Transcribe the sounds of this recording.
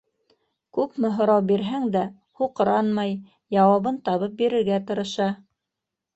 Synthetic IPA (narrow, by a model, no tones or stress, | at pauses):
kʉpmɘ̆ɦŏɾɑwbiɾɦæŋd̪æ | huqɤ̆ɾɑnmɑj | jɑwɑβɤnt̪ɑβɤp̚biɾɘ̆ɾɡæt̪ɤ̆ɾɤ̆ʃɑ